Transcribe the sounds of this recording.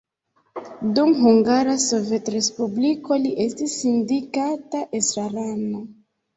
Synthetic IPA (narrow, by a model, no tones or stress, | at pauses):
dumɦuŋɡaɾaso̞ve̞tɾe̞spubliko̞liʔe̞stisindikataʔesɾaɾano